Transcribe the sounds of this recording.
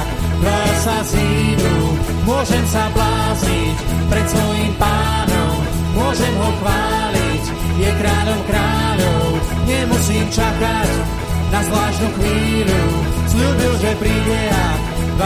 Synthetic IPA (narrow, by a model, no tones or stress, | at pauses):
d̪ɔsazid̪u | mʊɔʒɛmsablaːzicpɾɛt̪sʋɔjiːmpaːnɔmː | ʊɔʒɛmɦɔxʋaːlic | jɛkɾaːʎɔmkɾaːʎɔʊɲɛmusiːmt͡ʃakac | nazvlaːʃnuxʋiːlusʎuːbilʒɛpɾibɛɦa